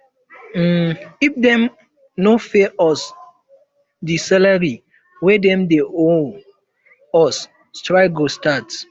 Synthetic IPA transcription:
ɡipdɛ̃m | nofɛʔɔs | disalaɹi | wɛdɛ̃mdeʔo | ɔs | stɹaɪɡostat

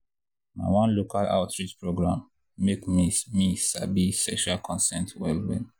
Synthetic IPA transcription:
ma̰wɔ̃nlokala̰ʊtɹitpɹoɡɹãmː | ekmimisa̰bisɛʃalkʰɔ̃nsɛ̃ntʰwɛlwɛ̰

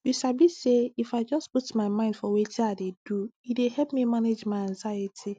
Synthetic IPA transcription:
jusabiseifaɪd͡ʒɔsputmãɪmãɪ̃ndfɔwetʰiaded̥uidehɛpmĩmaned͡ʒmãɪãnzajetʰi

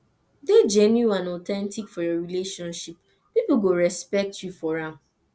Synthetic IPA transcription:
ded͡ʒɛnjuãnɔtɛ̃ntikfɔjɔɹileʃɔ̃nʃip | piplɡoɹɛspɛk̚tʰjufɔɹã

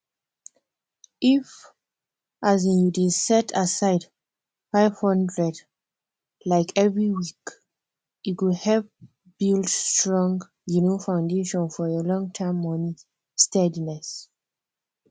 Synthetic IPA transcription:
ʔif | ʔazĩnjudisɛtʰasaɪd | faɪv̥hɔ̃ndɹɛd | laɪkʰɛvɹiwik | ikudhɛlv | b̥ildstɹɔ̃ŋɡ | junofãʊ̃ndeʃɔ̃nfɔəlɔ̃ŋtʰamːɔnĩ | stɛdinɛs

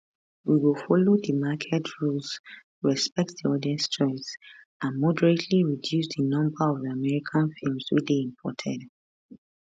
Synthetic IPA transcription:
wiwilˠfɔlodəmakʰɛtʰɹuls | ɹɛspɛk̚tðiɔdɛstɔɪs | ʔãnmɔdəɹetʰliɹidjusdənɔ̃mbəɔvðiamɛɹikʰãnfilˠmswḭt͡ʃdeĩmpʰɔtʰɛ̰d

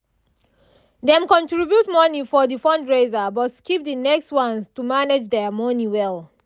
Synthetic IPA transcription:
dɛ̃mkɔ̃ntɹibjutmɔnifɔðifɔ̃ndɹezabɔtskip̚dinɛkstwãnstumaned͡ʒdɛmɔniwɛl

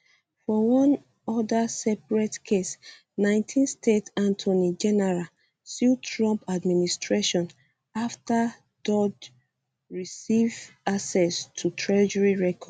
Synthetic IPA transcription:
fɔwɔ̃n | ɔdasɛpɹɛtkʰes | nãɪ̃ntʰĩnstetãntʰɔnid͡ʒɛnɛɹa | sitʰɹɔ̃mpadministɹeʃɔ̃n | afta | dɔd | ɹisivasɛstʰutʰɹɛd͡ʒɛɹiɹɛkʰɔd

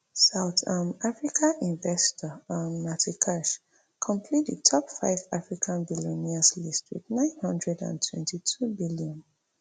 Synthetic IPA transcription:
saʊtamafɹikʰaʔĩnvɛstʰɔɔnːatʰikʰaʃ | kʰɔ̃mpʰliitʰɔpfa̰ɪvafɹikʰãnbilɔ̃niaslistwḭðnãɪ̃nhʌ̃ndɹɛdã̰ntʰwɛ̃ntitʰubiliɔ̃n

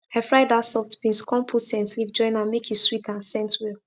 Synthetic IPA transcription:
ɛfɹaɪdasɔftbĩnskɔ̃mpʰusɛ̃ntlivd͡ʒɔ̃ɪ̃nãnmekʰiswitãnsɛ̃ntwil

